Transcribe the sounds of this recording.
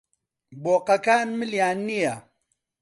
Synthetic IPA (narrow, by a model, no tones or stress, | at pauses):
boːqɐkaːnmɨljaːnːija